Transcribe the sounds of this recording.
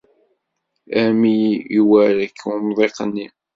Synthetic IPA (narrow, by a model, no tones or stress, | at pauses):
æmiwæɾəkːumðˤeqənːi